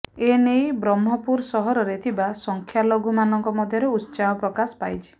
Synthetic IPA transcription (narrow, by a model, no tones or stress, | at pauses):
enejbɾɔmɦɔpuɾsɔɦɔɾɔɾet̪ʰibasɔŋkʰjaloɡumanɔŋkɔmɔd̪ʱjɔɾeut̪ːt͡ʃaɦɔpɾɔkasɔ̥pajt͡ʃʰi̥